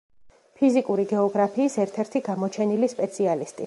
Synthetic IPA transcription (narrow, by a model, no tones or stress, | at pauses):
pʰizikʼuɾiɡɛɔɡɾapʰiːsɛɾt̪ʰɛɾt̪ʰiɡamɔt͡ʃʰɛnilispʼɛt̪sʰialist̪ʼi